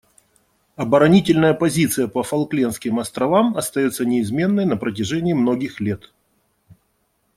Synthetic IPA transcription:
ɐbəɾɐnʲitʲɪlʲnəjəpɐzʲit̪sɨjəpəfɐlˠklʲenskʲɪmɐst̪ɾɐvamɐst̪ɐjo̞t̪sənʲɪɪzmʲe̞nːəjnəpɾət̬ʲɪʐɛnʲɪːmno̞ɡʲɪxlʲe̞t̪

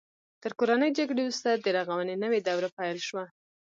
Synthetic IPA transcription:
t̪əɾkoɾanəjd͡ʒaɡɽeɾust̪ad̪əɾaɣawənenəwed̪awɾapajlʃwa

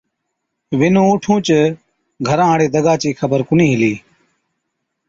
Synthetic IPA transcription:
ʋɪnũːoːʈʰũːt͡ʃə | ɡʱəɾãːɽeːd̪əɡaːt͡ʃiːkʰəbəɾkʊnĩːɦɪliː

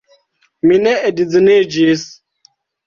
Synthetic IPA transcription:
minɛedid͡zined͡ʒis

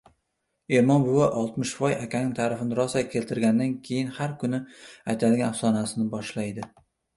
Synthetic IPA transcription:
emɒmbʊwaʔɒlˠt̪mɪʃfɒjakʲʰanɪŋt̪ʰaɾafɪnɪɾɒsakʲʰe̞lt̪ʰɪɾɡʲand̪ankʲʰe̞jɪnhaɾkʰʊnɪajt̪ʰad̪ɪŋafsɒnasɪnɪbɒʃlajd̪ɪ

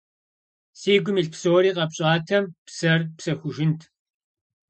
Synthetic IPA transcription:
siːɡʷʊmiːɬpsoːɾiːqɐpɕʼaːtʰɐmpsɐrpsɐxʷʊʒɪntʰ

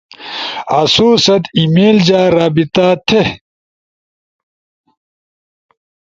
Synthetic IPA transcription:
ɐsuːsɐt̪imeːld͡ʑaːɾaːbit̪aːt̪ʰe

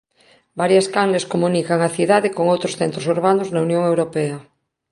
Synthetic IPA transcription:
baɾjaskaŋleskomũnikaŋaθiðaðekoŋowt̪ɾosθent̪ɾosuɾβ̞anoznaunjõŋewɾopea

